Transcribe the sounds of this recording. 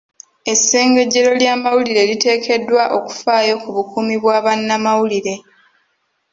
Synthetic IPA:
e̞sːe̞ːŋɡe̞ɟːe̞ɾo̞ljaːmawuliɾe̞lite̞ːkʰe̞dːwaʔo̞ku̥faːjo̞kuβukumiβwaːβanːamawuliɾe̞

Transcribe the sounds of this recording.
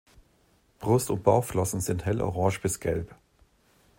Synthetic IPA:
b̥ʁʊstʊ̰nt̚b̥aʊflɔsn̩zɪnthɛlʔɔ̰ʁɑ̃ːʃb̥ɪsɡ̥ɛlp

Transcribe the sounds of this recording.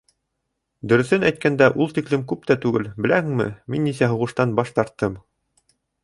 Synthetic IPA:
d̪ɵ̆ɾɵ̆θɘnæjt̪̚kænd̪æʔulˠt̪iklɘmkʉp̚t̪æt̪ʉɡɘlbɘ̆læhɘŋmɘ̰minːisæɦŏʁɤ̆ʃt̪ɑnbɑʃt̪ɑɾt̪ːɤm

